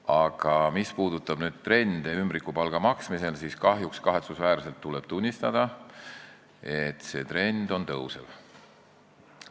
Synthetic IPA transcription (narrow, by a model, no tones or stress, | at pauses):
ɑɡ̥ɑmispuːd̪̥ut̪ːˑɑb̥nyːd̪̥̚t̪re̞nd̪̥eymbɾikːˑupɑlɡ̥ɑmɑksmise̞lsiːskɑɦjukskɑɦe̞t̪susvæːɾse̞lt̪ːule̞b̥t̪unʲːist̪ɑd̪̥ɑ | e̞t̪ːˑse̞ːt̪re̞nd̪̥o̞nt̪ɤwsḛv